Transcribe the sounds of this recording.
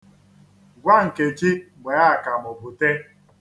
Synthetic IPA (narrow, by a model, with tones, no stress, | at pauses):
ɡʷa˦ŋ̩˨ke˨d͡ʒi˦ɡ͡bʷe˨a˦˨ka˨mo˨bʊ˨te˦